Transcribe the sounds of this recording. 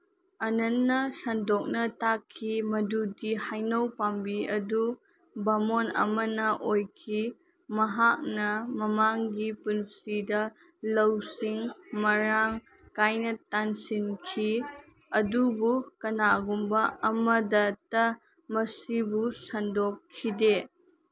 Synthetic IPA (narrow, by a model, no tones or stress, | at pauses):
ɐnɐnːɐsɐndok̚nɐtakʰːimɐdudihajnɐwpambiɐdu | bɐmonɐ̰mɐnɐʔojkʰi | mɐɦak̚nɐmɐmaŋɡipunsidɐ | lɐwsiŋmɐɾaŋ | kajnɐtansinkʰi | ɐdubukɐnaɡumbɐɐmɐdɐtɐ | mɐsibusɐndokʰːide